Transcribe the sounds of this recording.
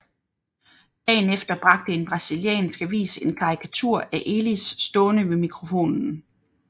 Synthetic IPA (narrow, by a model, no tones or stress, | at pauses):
d̥ɛ̰ːnefd̥ɐb̥ʁɑ̈ɡ̥̚d̥əe̝nb̥ʁɑ̈siljɛ̰ːnsɡ̥ʋḭːse̝nkʰɑ̈ʁikʰæt͡sʰuɐ̰æʔe̝lisːd̥ɔ̽ːnəʋe̝mikʰʁo̝fo̝̰ːnn̩